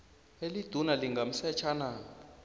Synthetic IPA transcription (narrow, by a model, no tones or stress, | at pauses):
elid̥ʱunaliŋɡʱam̩sɛt͡ʃʰaːna